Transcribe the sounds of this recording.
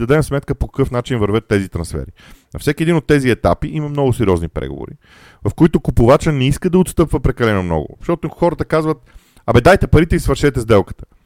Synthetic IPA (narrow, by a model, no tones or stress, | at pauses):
d̪ɐd̪ɛmsmɛt̪̚kəpokɐ̥kɤfnat͡ʃinvəɾvɤt̪ːɛzit̪ɾɐnsfɛ̰ɾi | nɐ̰fsɛkʲiɛd̪inot̪ːɛziɛt̪a̰piʔimɐmnɔɡʊsɛɾiɔznipɾɛ̰ɡo̰vo̰ɾḭ | vɐfkoit̪ʊkupʊvat͡ʃənɛiskəd̪ɐot̪st̪ɤpvəpɾɛkɐlɛnomnɔ̰ɡʊ̰ɐʃt̪ɔt̪oxɔɾət̪əkazvət̪ | ɐbɛd̪ajt̪ɛpɐɾit̪ɛisvɐɾʃɛt̪ɛzd̪ɛlˠkə̥t̪ə̥